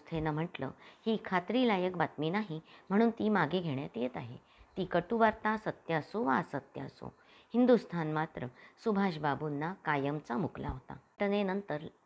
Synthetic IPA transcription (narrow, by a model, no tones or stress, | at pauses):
st̪ʰenəm̤əʈlə̰hiːkʰat̪ɾiːlajəkbat̪miːnaɦim̤əɽ̃uːnt̪iːmaɡeɡʱeɳjat̪jet̪aɦḛ | t̪iːkəʈuʋaɾt̪ãsət̪jasoʋa̰sət̪ja̰so̰ | hind̪ust̪ʰanmat̪ɾəsubʱaɕbabunːakajəmt͡samukla̰ɦot̪a̰ʈ̪ənenənt̪əɾ